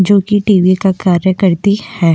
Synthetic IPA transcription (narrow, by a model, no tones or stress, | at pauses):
d͡ʒoːkiʈiːʋikakaːɾjəkɐɾt̪ihɛː